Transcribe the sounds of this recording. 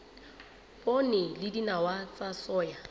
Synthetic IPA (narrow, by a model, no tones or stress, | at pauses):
onɪlɪdinawat͡sasɔːja